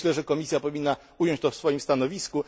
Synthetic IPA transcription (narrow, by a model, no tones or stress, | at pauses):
lɛʐɛkɔmʲisʲjapɔvʲinːa | ujɔ̃ɲt͡ɕt̪ɔfsfɔjimst̪anɔvʲisku